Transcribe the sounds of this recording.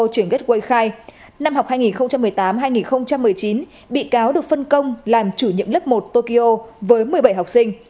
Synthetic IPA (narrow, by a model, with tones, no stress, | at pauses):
t͡ɕɨ˧˩əŋkə˦˥t̚kwə˧jxaː˧j | na˧mɦa˨˩k͡p̚haː˧jŋi˨˩nxə˧wŋ͡mt͡ɕa˧mːɨ˨˩əjt̪aː˨˦mɦaː˧jŋi˨˩nxə˧wŋ͡mt͡ɕa˧mːɨ˨˩əjt͡ɕi˨˦n | ɓḭ˧˨kaː˨˦wɗɨ˨˩ək̚fə˧nkə˧wŋ͡mlaː˨˩mt͡ɕu˧˩ɲḭ˧˨əmlə˦˥p̚mo˨˩t̚t̪o˧ki˧ʔo˧vəː˨˦jmɨ˨˩əjɓə˧˩jɦa˨˩k͡p̚sï˧ŋ̟